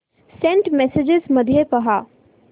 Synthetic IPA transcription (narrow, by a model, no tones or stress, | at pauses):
sɛ̃ɳʈmɛsed͡ʒɪzmɐd̪ʱjepɐɦaː